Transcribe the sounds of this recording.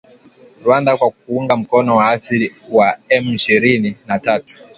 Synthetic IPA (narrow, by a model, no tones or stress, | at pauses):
ɾwandakwak̚uuŋɡam̩kɔnɔwaasiɾiwaɛmiʃiɾininatatu̥